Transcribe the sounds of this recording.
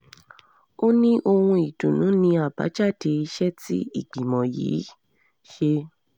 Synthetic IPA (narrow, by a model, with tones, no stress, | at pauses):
o˦nĩ˦ʔo˧hũ˧i˨tũ˨nũ˨˦nĩ˧a˦˨ba̰˨˦d͡ʒa˦˨de˧i˧ʃɛ˦tḭ˦ḭ˦˨ɡ͡bi˨mɔ̃˨jḭː˨˦ | ʃe˧